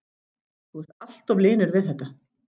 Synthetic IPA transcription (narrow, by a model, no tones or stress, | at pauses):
θuɛɾ̥t̪al̥t̪ɔvlɪːnʏɾvɪðθɛt̪ːa